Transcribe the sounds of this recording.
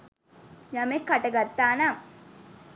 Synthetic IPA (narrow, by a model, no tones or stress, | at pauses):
jamekːaʈəɡat̪ːaːnaŋ